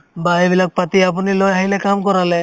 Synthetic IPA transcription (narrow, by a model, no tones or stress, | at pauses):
baibilak̚pat̪iap̬unilɔjaɦilɛkamkɔɾalɛ